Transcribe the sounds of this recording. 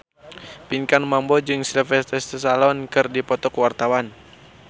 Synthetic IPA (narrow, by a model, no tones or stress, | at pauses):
piŋkanmambɔd͡ʒɨŋsilfɛst̪ɛst̪əsalɔnkɨrdipɔt̪ɔkwart̪awan